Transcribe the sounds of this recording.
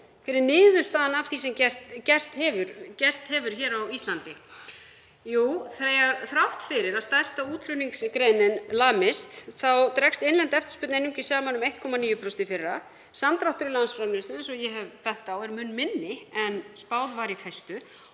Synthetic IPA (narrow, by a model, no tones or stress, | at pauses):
fɪːɾɪnɪːðʏst̪aːnavθisɛmcɛ̥t̪cɛr̥st̪hɛvʏɾcɛr̥st̪hɛvʏɾ̥çɛːɾawist̪lant̪ɪ | juːθɾeːjaɾθɾawht̪fɪɾɪɾaðst̪ḁst̪auːt̪lʏniŋkskɾejnɪnlaːmɪst̪θawt̪ɾɛkst̪ɪnlɛnt̪ɛft̪ʏ̥spʏt̪nejnːʏmcɪsaːmanʏmejht̪̚kʰɔmaniːjʏpʰɾɔsnt̪ɪfɪrːa | samt̪ɾawht̪ʏɾɪlansfɾawlɪst̪ʏɛnsɔjɛɦɛvpʰɾɛht̪awɛɾmʏnːmɪnːɪɛnspawðvaːɾɪfɛjst̪ʏ